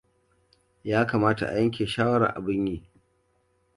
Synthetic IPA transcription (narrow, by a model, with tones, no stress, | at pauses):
jaː˦kaː˨maː˦ta̰˨ʔa̰˨jɐ˦ŋkʲeː˨ʃaː˦wɐ˦ɾa̰˨ʔa̰˨bɪ˦ɲjiː˦